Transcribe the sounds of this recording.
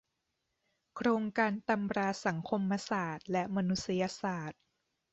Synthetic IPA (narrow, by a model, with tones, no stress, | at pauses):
kʰɾoː˧ŋkaː˧nt̪a˧mɾaː˧sa˩˦ŋkʰo˧mːa˧saː˨˩t̪̚lɛ˦˥maː˧nu˦˥t̪̚sa˧jaː˧saː˨˩t̪̚